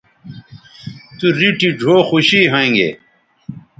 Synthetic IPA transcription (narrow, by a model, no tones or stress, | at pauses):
t̪uɾiʈiɖʱoːxuɕiːɦɐ̃ĩŋɡḛː